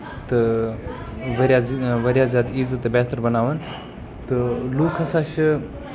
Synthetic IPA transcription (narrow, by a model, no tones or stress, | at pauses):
t̪ɨ | ʋɐɾjaːzʋɐɾjaːzʲjaːd̪iːzət̪bɛːt̪əɾbɐnaːʋən | t̪ɨluːkʰɐsaːʃɐ